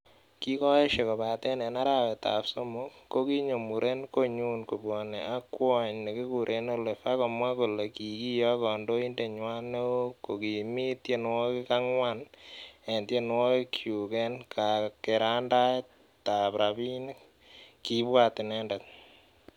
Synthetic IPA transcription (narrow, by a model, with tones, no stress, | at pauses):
ki˦kɔ˦e˦ʃe˨ko˨pa˨tɛ˦nɛ˨na˦ɾa˦wɛ˨ta̰˨pso˦mu˦kːo˦ki˦ɲo˨mu˨ɾʔe˦nko˦ɲu˦nku˨bwɔ˨nḛa˦kwɔ˦˨ɲne˨ki˦ku˨ɾʔe˦no˦le˨fa˦kɔ˨mwa˦ko˨le˨ki˨ki˦jɔ˦kɔ˨ndo˦i˦nde˨ɲwa˦ne˦o˦ko˨ki˨mi˦tje˦nwo˦kɪ˦ka˦ŋwa˦ne˨ntje˦nwo˦i˦kʰju˨kɛ˦nka˨ke˨ɾa˦nda˦ɛ˦ | ta˨pɾa˨bi˦ni˦k | kːi˦bwa˦tɪ˨nɛndɛ˨t̚